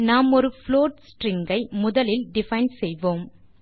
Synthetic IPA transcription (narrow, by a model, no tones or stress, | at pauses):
naːmɔɾɯfloːʈsʈrɪŋɡɐɪmʊðɐlɪlɖɪfɐɪnɖsɛjʋoːm